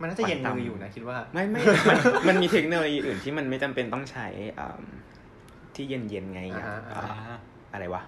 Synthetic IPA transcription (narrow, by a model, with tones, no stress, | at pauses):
ma˧nʰːaː˥˩a˨˩je˧nm˧ɯː˧juː˨˩na˦˥kʰi˦˥waː˥˩ma˥˩jma˥˩˧ma˧ma˧nmiː˧t̪ʰe˦˥k̚noː˧loː˧jiː˧ʔɯː˨˩nt̪ʰiː˥˩ma˧nma˥˩jt͡ɕa˧mpe˧nt̪ɔ˥˩ŋt͡ɕʰa˦˥jʔə̰ː˨˩m | t̪ʰiː˥˩je˧nje˧nŋa˧ja̰˧˩˦ʔə̰ː˨˩ | ʔa˧ɾa˧jwa˦˥